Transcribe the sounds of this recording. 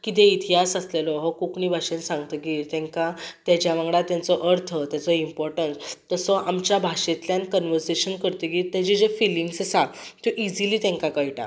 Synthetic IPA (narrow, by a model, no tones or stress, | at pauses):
kit̪̬ẽit̪ʰijasəslelɔɦɔkuknibʱaʂensãŋɡt̪əkit̪ɛ̃ŋkat̪jad͡ʑjaʋãŋɡɽat̪jant͡sɔʔəɾt̪ʰət̪jat͡sɔimpɔɾʈənst̪əsɔʔamt͡ɕjabʱaɕẽt̪ljãnkənʋəɾseɕənkəɾt̪ikit̪jad͡ʑid͡ʑefiliŋɡssat̪uʔid͡ziliːt̪ẽŋkakəjʈa̰